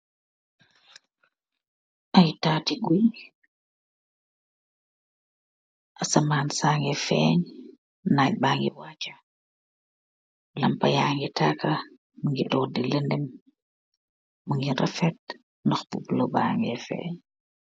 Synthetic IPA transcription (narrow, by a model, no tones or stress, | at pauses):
ʔajtaːtiɡuj | ʔasamaːnsaːŋɛfɛːɲ | naj̚baːŋɡḭwat͡ʃḁ | lampɐjaːŋɡitaːka | muŋɡiɗɔdiləndɛm | uŋɡiɾʔa̰fɛt̚ | nɔxpubloba̰ːŋɡɛfɛ̰ːɲ